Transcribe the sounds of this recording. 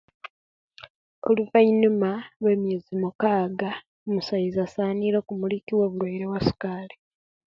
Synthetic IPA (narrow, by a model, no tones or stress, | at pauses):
oluvainumaβwe̞ːmjezimukaːɡa | omusajizasaːniɾo̞ːkumulikiwo̞ːβulwaiɾewasi̥kaːle